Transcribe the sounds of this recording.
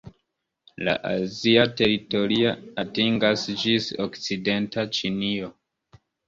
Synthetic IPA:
la̰ʔa̰ziate̞ɾito̞ɾiaatiŋɡasd͡ʒisokt͡side̞ntat͡ʃinio

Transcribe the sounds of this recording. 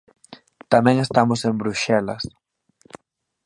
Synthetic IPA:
t̪amɛ̃ŋest̪amʊsẽmbɾuʃɛlɐ̰s

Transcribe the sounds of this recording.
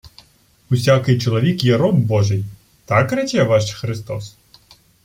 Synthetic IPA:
usʲakɪjt͡ʃɔlˠɐʋʲikjɛɾɔmbɔʐɨj | t̪akɾɛt͡ɕʲɛʋaʂxɾɨst̪ɔs

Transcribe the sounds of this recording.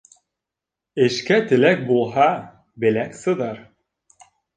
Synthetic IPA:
ɘ̆ʃkæt̪ɘ̆læk̚bulˠɦɑ | bɘ̆læksɤ̆ðɑɾ

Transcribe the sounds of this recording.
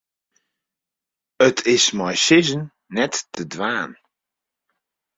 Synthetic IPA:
ətʰɪsmajsɪzənː | ɛtːədʋaːn

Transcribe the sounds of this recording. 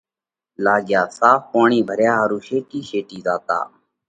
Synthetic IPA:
laːɡɪjaːsaːfpaːɳiːbʱəɾjaːɦəɾũːʃeːʈiːʃeːʈiːzaːt̪a̰ː

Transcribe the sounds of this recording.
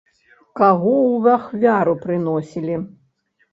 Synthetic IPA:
kaɣɔwvaxvʲaɾupɾɨnɔsʲilʲi

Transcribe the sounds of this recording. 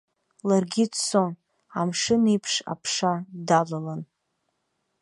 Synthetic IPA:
larɡʲidson | amʂɨnipʰʂa̰pʰʂadalalan

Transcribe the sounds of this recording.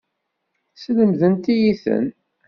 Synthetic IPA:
sləmðənt̪ijiθə̰n

